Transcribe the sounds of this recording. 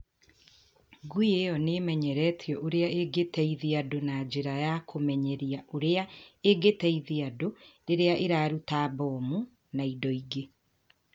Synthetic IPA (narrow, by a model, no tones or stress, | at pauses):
ɡuijejɔnemɛɲɛɾɛːtʰjɔʔoɾeaʔeɡetɛiðeadonad͡ʑeɾajakʰomɛɲɛɾiaʔoɾeaeɡetɛiðeadoɾeɾeaʔeɾaːɾutaːbɔːmu | naidɔiɡe